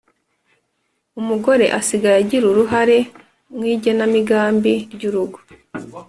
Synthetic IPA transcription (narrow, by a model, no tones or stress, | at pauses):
umuɡo̞ɾe̞̰ʔasiɡaɾaɟiɾuɾuɦaɾe̞ | mwiːɟenamiɡaːmbiɾɟuɾuɡu̥